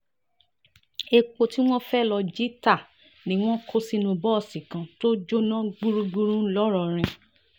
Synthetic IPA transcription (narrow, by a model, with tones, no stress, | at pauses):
e˧k͡po˧ti˦w̃ɔ̃˦fɛ˦˨lɔ˧d͡ʒi˦ta˦˨ | nĩ˨˦w̃ɔ̃˦kʰo˦si˧nũ˧bɔ˦ɔ˨sĩ˨kã˨˧to˦d͡ʒo˦nã˦ɡ͡bu˦ɾũ˦ɡ͡bu˦ɾũ˦lɔ˦ɾɔ˧˨ɾ̃ĩ˧